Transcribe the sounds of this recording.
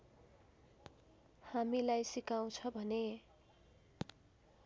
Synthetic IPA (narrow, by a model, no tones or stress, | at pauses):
hamilajsikaw̃t͡sʰʌbʱʌne